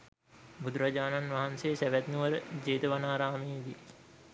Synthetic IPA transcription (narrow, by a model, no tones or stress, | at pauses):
bud̪uɾad͡ʒaːnanʋaɦansejːsæʋæt̪nuʋəɾəd͡ʒeːt̪əʋanaːɾaːmeed̪i